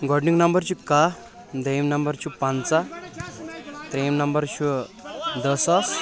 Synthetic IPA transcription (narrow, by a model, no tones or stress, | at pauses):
ɡɔɖniŋɡnɐmbəɾt͡ɕuka | d̪ejmnɐmbəɾt͡ɕupãnt͡sa | t̪ɾemnɐmbəɾt͡ɕʰu | d̪ɐsas